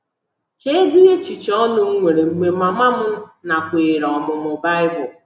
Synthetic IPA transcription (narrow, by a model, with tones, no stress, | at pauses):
ke˦dɪ˦ɣe˦t͡ʃi˨t͡ʃɔ˦nʊ˦ŋ̩˦ŋʷe˨ɾe˨m̩˨me˨ma˨ma˦mʊ˦na˨kʷeː˨ɾɔ˨mʊ˨mʊ˨ba˦ɪ˦bʊ˨